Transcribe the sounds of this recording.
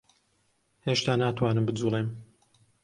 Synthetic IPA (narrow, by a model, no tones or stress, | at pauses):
heːʃt̪aːnaːt̪ʰwaːnɨmbɨd͡zuːlˠem